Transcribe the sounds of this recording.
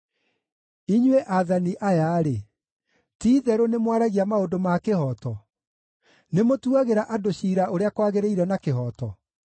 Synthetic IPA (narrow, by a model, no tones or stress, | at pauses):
iɲwɛʔaðaniʔajaɾe | tiːðɛɾonemwaɾaɣiamaodomakehɔtɔ | nemotuaɣeɾaʔadoɕiɾaʔoɾeakwaɣeɾeiɾɛnakeɦɔtɔ